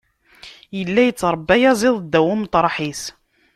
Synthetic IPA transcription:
jəlːæjət͡sːɾˤəbːæjæzˤiðˤd̪ːæwʊmt̪ˤɾˤɑħis

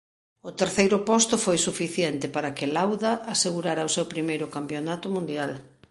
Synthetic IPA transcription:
ʊt̪eɾθejɾʊpɔst̪ʊfojsufiθjɛnt̪ɪpaɾakɪlawðaʔːseɣuɾaɾaosewpɾimejɾʊkampjonat̪ʊmũnd̪jal

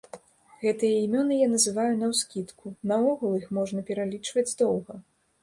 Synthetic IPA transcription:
ɣɛt̪ɨjɐimʲɔnɨjanɐzɨvajunɐwskʲit̪kunɐɔɣulˠixmɔʐnɐpʲɛɾalʲit͡ʂvɐd͡zʲd̪ɔwɣɐ

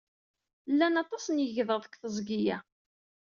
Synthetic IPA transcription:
lːænɑt̪ˤɑsənjəʝðˤəðˤəkʷθəzˤɡijæ

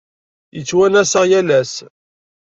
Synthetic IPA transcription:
jət͡sːwænæsəʁjælæs

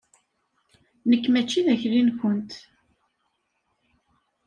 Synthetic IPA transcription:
nəkːmæt͡ʃːiðæçɾinkʷənt̪

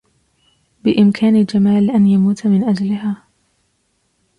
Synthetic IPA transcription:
bɪʔɪmkʰaːnɪd͡ʒamaːlʔanjamuːt̪mɪnʔad͡ʒlɪɦaː

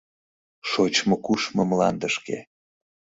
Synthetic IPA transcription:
ʃot͡ɕmokuʃmɤmlɑ̰nd̪əʃkḛ

